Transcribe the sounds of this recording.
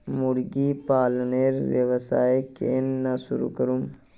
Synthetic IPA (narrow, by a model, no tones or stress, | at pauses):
mʊɽɡipaːlneɾʋjɐʋəsaːekḛnːasṵɾṵkɐɾum